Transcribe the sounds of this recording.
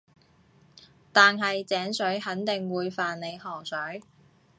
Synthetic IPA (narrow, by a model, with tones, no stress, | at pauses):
t̪aː˨nɦɐ˨jt͡sɛː˨˥ŋsɵ˨˥ɥhɐ˨˥nt̪ɪ˨ŋwuː˨˧jfaː˨nne˨˧jhɔː˨˩ŋsɵ˨˥ɥ